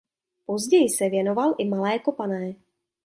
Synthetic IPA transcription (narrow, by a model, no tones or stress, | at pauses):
po̞zɟɛjɪsɛvjɛno̞valʔɪmalɛːkopanɛː